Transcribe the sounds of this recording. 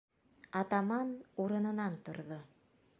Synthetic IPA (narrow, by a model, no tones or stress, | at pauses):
ɑt̪ɑmɑnuɾɤ̆nɤ̆nɑnt̪ŏɾðo